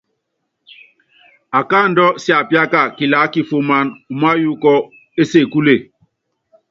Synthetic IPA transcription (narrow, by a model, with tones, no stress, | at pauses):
a˨ka˦˨n̩˦dɔ˦si˦a˨pja˦ka˦˨ki˨la˨˦ki˦fu˦ma˦nu˨ma˦ju˦kɔ˦ | e˦se˦˨ku˦le˦˨